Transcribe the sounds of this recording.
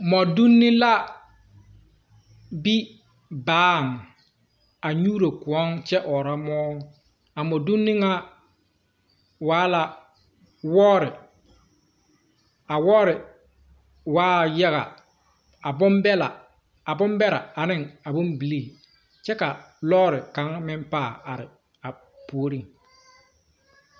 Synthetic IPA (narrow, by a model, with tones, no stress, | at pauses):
mɔ˨du˦nːɪ˦la˦ | bi˦ | baː˨˦˨ŋ˨ | a˨ɲuː˦ɾo˨kʊ˨ɔ˦ŋt͡ʃɛ˦ʔɔː˨ɾa˦mɔː˦ŋ˦ | a˨mɔ˨du˦nːɪ˦ŋa˦ | waː˦la˨ | wɔː˦ɾɪ˨ | a˨wɔ˦ɾɪ˨ | waː˦ja˦ɣa̰˨ | a˨bʊ˦mbɛ˦la˨ | a˨bʊ˦mbɛ˦ɾa˨a˨nɪ˦ŋa˨bʊ˦mbi˨li˦˨ | t͡ʃɛ˦ka˨ | lɔː˦ɾɪ˨ka˨˦ŋmɪ˦mpaː˦˨a˨ɾɪ˨ | a˨ | pu˨o˦ɾi˦˨ŋ